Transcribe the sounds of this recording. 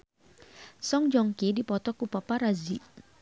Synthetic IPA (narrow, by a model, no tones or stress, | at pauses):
sɔŋd͡ʒɔŋkidipɔt̪ɔkupapaɾazi